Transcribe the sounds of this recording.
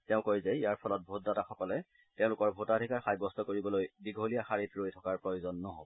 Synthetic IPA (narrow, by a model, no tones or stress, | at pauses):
tɛʊ̃kojzɛijaɹpʰɔlɔt̚bʱotdataxɔkɔlɛ | tɛʊ̃lʊkɔɹbʱotadʱikaɹxajbɔstɔkoɹibɔlojbiɡʱolijaxaɹitɹojtʰɔkaɹpɹɔjozɔnːɔɦo̰bɔɔ